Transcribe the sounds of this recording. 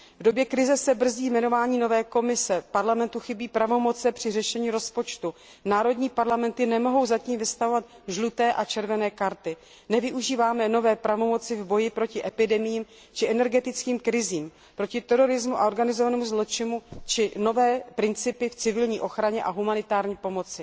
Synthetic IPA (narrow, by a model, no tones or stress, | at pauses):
vdo̞bjɛkɾɪzɛsɛbr̩ziːjmɛno̞vaːɲiːno̞vɛːko̞mɪsɛpaɾlamɛnt̪uxɪbiːpɾavo̞mo̞t͡sɛpr̥ɪrɛʃɛɲiːɾo̞spo̞t͡ʃt̪u | naːɾo̞dɲiːpaɾlamɛnt̪ɪnɛmo̞ɦo̞wzaciːmvɪst̪avo̞vat̪ | ʒlut̪ɛːʔat͡ʃɛɾvɛnɛːkaɾt̪ɪ | nɛvɪʔuʒiːvaːmɛno̞vɛːpɾavo̞mo̞t͡sɪvbo̞jɪpɾo̞cɪʔɛpɪdɛmɪjiːm | t͡ʃɪʔɛnɛɾɡɛt̪ɪt͡skiːmkɾɪziːm | pɾo̞cɪt̪ɛɾo̞ɾɪzmuʔa̰ʔo̞ɾɡanɪzovanɛːmuzlo̞t͡ʃɪmut͡ʃɪno̞vɛːpɾɪnt͡sɪpɪft͡sɪvɪlɲiːʔo̞xɾaɲɛʔaɦumanɪt̪aːɾɲiːpo̞mo̞t͡sɪ